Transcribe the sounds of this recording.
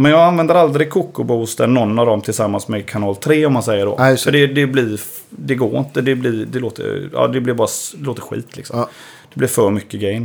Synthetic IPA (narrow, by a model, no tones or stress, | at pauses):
mɛnjɑːɡanvɛnd̪əɾald̪ɾɪkʰʊkːʊbuːst̪ənɔnːavd̪ɔmt̪ʰɪlsamːansmɛkʰanɑːlt̪ʰɾeːɔmːansɛjːəɖɔ̰œɖɛd̪ɛblɪɾ | d̪ɛɡoːɾɪ̰nt̪əd̪ɛblɪɾd̪ɛloːt̪ə̰ɾɑ̰ːd̪ɛblɪɾbɑːɾad̪ɛloːt̪əɾɧḭːt̪ʰlɪ̰ksɔ̰m | d̪̥ɛblɪɾfœɾmʏkːəɡɛjn